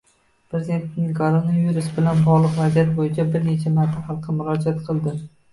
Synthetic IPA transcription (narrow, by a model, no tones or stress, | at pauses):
pɾe̞zʲd̪e̞nt̪nɪŋkʰolˠonaviɾusbɪlanbɒʁlˠɨqvazijat̪bojɪt͡ʃʰabɪɾne̞t͡ʃʰamaɾt̪ʰːaχɑlˠqʰɨmʊɾɒd͡ʒat̪qʰɨlˠd̪ɪ